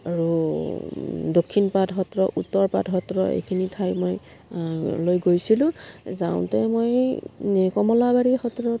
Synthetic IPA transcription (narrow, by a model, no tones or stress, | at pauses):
aɹu | dokʰːinpatɦɔtɹɔʔutːɔɹpa̰dɦɔtɹɔḛjkʰinitʰajmoj | lojɡojsilʊ̃zaw̃tɛmoj | kɔmɔlabaɹixɔtɹɔ